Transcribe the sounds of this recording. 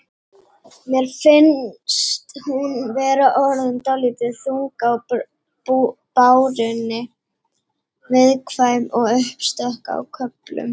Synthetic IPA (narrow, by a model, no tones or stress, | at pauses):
mjɛɾ̥fɪnst̪hunvɛːɾaʔɔɾðʏmt̪awliːt̪ɪðθuŋkaw | upawɾɪnːɪ | vɪðkʰvaːjmɔɣʏhpst̪œhka̰ːwkʰœplʏ̰m